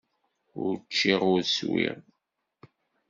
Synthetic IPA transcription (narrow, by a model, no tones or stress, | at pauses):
ʊɾt͡ʃːiʁʊɾswḭʁ